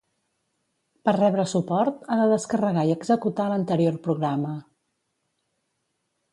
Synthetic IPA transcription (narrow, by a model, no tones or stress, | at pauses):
pərrɛβɾəsupɔɾt̪aðəðəskərəɣaiəɡzəkut̪alənt̪əɾiorpɾuɣɾamə